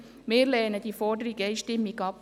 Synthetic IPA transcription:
meːlɛːnəd̥iːfɔdəɾiɡeɪʃtɪmːiɡɑp

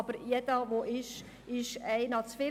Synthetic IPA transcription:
b̥əɾjɛdəʋoʔɪʃ | ɪʃɛɪnɑt͡sfɪ

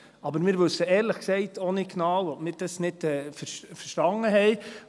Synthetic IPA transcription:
ɑbəɾmɪːɾʋɵsːəɛːɾləχksɛɪtʰoniknɑːwɔpmɪːɾd̥ɑsnɪdɛːfəɾʃfəɾʃtɑŋəɦɛɪ

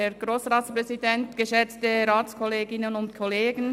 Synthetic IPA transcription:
ɛɾɡ̥roːsʁaːtsprɛzidɛntɡ̥əʃɛt͡stəɾaːtt͡skʰɔleːɡɪnənʊntkʰɔleːɡən̩

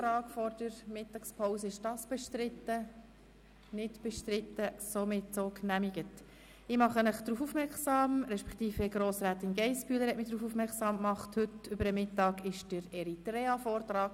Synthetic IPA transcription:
ɾɑːkfɔrd̥əɾmɪtːɑkspʰoʊwsəɪʃd̥ɑsb̥ɛʃtɾɪtːə | nɪtb̥ɛʃtɾɪtːəsomɪtsoknæmiɡ̥ət | ɪmɑχənəχd̥̪ɾuːfufmɛksɑːmɾɛʃpɛ̥kt̪iːfəɡɾoːsɾæːt̪ɪnɡɛɪspyːləɾhɛtmɪd̥ɾuːfufmɛksɑːmkmɑχthɵtʏbəɾəmɪtːɑːɡɪʃd̥əɾɛɾitɾɛːɑfoːrtɾɑːk

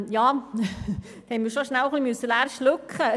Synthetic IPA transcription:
jɑː | hɛnmiːɾʃoʃnælχlimɵsːəlæːɾʃlɵkχə

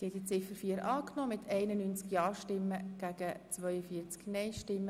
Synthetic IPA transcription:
sɛdit͡sɪfəfiːəɾɑːknoːmɪt̪ʰɛɪnənyːnt͡skjɑːʃtɪmːəɡ̥æɡ̥ət͡svœʏəfiəɾt͡sknɛɪʃtɪmːə

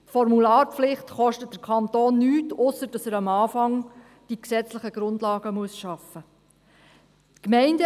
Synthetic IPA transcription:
tfɔɾmulɑːɾpflɪχt̪χɔʃtət̚d̥əɾkʰχɑnt̪oːnːyːtʊsːəɾd̥ɑsəɾɑmɑːfɑŋ | d̥iksɛt͡sləχəɡ̥ɾʊndlɑːɡ̥əmuəsʃɑfə | tkmɛɪndə

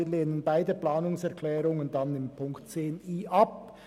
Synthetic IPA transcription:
leːnənbaɪdəplaːnʊŋsɛʁkʰlɛːʁʊŋəndɑnɪmpʰʊŋktt͡seːniːʔɑp̚

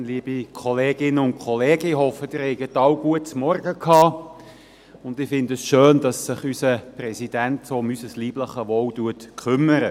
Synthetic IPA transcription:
liːb̥ikʰɔleːɡɪnːəʊntkʰχɔleːɡ̥əɪhɔfəd̥ɪɾhɛɪɡətːɑwɡ̥uətsmɔrɡəkʰhɑː | ʊndɪfɪndəsʃøːnd̥ɑsːɪχysəprɛsid̥æntsoːʊmysəsliːb̥ləχəʋɔːwtuətkʰʏmːəɾə

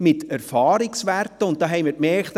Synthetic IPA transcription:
mɪtæɾfɑːɾɪksʋærtːəʊnt̚d̥ɑːɦɛɪmɪɾkmɛɾkt

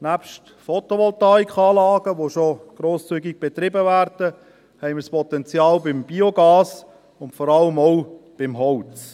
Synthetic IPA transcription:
næpʃt | fɔtoʋɔltɑːikʰɑːlɑːɡ̥əʋoʃoɡ̥ɾoːst͡syːɡɪɡ̚b̥et̪ɾɪbəvæːɾd̥ə | hɛɪmɪrspʰɔt̪ɛnt͡sjɑːlbɪmb̥ioɡɑːs | ʊntfɔɾɑləmɔʊb̥ɪmɦɔwt͡s

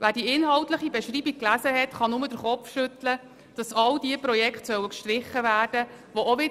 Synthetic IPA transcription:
ʋæːɾdiɪnɦɑwtləχibɛʃɾiːbik̚klæzəɦɛtχɑnʊmədəɾχɔpfʃɵtlə | d̥ɑsɑldiəpɾɔjɛkχtsœwəkʃtɾɪχəvæːrd̥ə | ʋooʋɪ

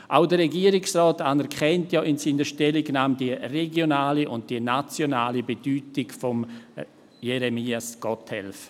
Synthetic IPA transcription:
ʔaʊdəɾɛɡiːəɾɪksrɔːtanɛɾkʰχɛntjaːʔɪnsiːnəɾʃtɛlɪɡnaːmdiəreɡjonaːliʔʊnt̚d̥iənat͡sjonaːlibed̥yːtɪɡfɔm | jɛɾemiːasɡ̥ɔtʰhɛ̰lf

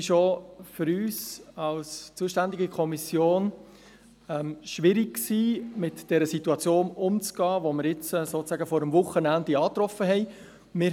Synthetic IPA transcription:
ɪʃofʏɾyːsɑlst͡suːəʃtænd̪iɡikʰɔmisjoːn | ɛmʃʋɪɾɪk̚ksiːmɪtd̥ɛɾəsitːuɑt͡sjoːnʊmt͡sɡ̥ɑːʋoməɾjɪt͡sɛsoːt͡sæːɡəfɔɾəmvʊχənændiɑːt̪ɾɔfəɦɛɪ | mɪ

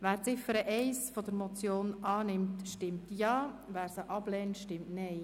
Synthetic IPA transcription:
ʋæːɾt͡sɪfəɾəʔɛɪsfɔd̪əɾmɔt͡sjoːnɑːnɪmtʃtɪmtjɑːʋæːɾsəʔɑb̥lɛːntʃtɪmtnɛɪ

